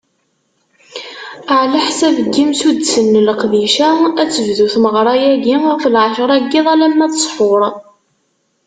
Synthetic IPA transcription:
əʕlaħsævəɡːimsud̪sənːləqðiʃææt͡sːəvðuθməʁɾˤɑjæɡifəlʕəʃɾˤæɡːiðˤælæmːæθə̥sˤħʊɾˤ

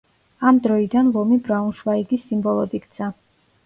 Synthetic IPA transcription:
amd̪ɾɔid̪anlˠɔmibɾaunʃvaiɡisːimbɔlˠɔd̪ikt̪sʰa

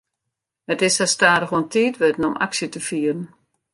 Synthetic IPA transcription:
hətɪsastaːɾəxuəntʰiːtʋɪdən̩ɔmʔa̰ksjətəfiːərən̩

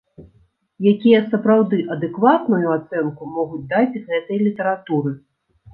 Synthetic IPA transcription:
jakʲijɐsɐpɾawd̪ɨʔɐd̪ɛkvat̪nujuat̪sɛnkumɔɣud͡zʲd̪at͡sʲɣɛt̪ɐjlʲit̪ɐɾat̪uɾɨ

